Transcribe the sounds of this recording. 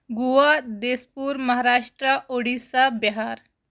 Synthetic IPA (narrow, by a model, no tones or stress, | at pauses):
ɡuʋad̪eːspuːɾmɐɦaːɾaːʂʈɾəʔoɽisabiɦaːɾ